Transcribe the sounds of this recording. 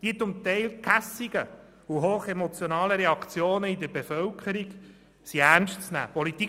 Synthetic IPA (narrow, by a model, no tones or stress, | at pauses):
d̪̥iːt͡sʊmt̪ɛɪlkʰæsiɡə | uɦoːχemɔt͡sjɔnɑːləɾeɑkt͡sjoːnəid̪əɾbefœlkʰəɾiɡ | siæɾnʃtt͡snæ̰ːpɔlit̪i